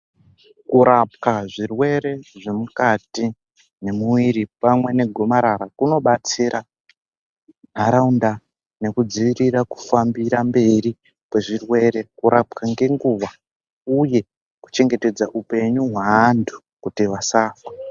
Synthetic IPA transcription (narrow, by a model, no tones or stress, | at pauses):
kuɾap̚kaʐirwe̞ɾe̞ʐe̞mukati | ne̞muwiɾipamwe̞ne̞ɡʱo̞maɾaɾakuno̞ɓat͡siɾʔa | n̤aɾaunda | ne̞kud͡ziʋiriraku̥fambiɾambe̞ɾi | pwe̞ʐirwe̞ɾe̞kuɾap̚kaŋɡe̞ŋɡuʋa | uje̞ | ku̥t͡ʃe̞ŋɡe̞te̞d͡zaʔupe̞ɲuɦwaːntʰu̥ | kutiʋasaːfwa